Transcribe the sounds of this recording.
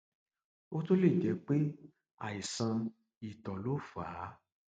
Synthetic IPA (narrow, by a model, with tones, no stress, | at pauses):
o˦to˦le˦˨d͡ʒɛ˨˦k͡pe˦ | a̰˨i˨sã˧ | i˨tɔ˨lo˨˦˨faː˨˦